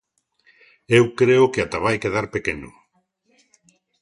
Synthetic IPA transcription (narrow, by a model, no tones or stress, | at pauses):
ewkɾeokeat̪aβajkeðaɾpekenṵ